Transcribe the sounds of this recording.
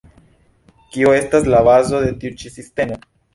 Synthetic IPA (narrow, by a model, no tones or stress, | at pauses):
kioe̞st̪aslaβazo̞ðe̞t̪iut͡ʃisist̪e̞mo